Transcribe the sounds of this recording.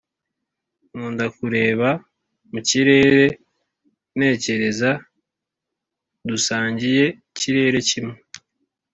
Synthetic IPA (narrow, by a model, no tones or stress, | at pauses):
ŋuːndakuɾe̞ːβa | muciɾe̞ːɾe̞ | ne̞ːce̞ɾe̞za | dusaːɲɟije̞ | ciɾe̞ːɾe̞cime